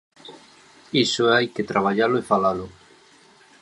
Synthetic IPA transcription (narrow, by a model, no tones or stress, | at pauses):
isoajket̪ɾaβ̞aʎalʊefalalʊ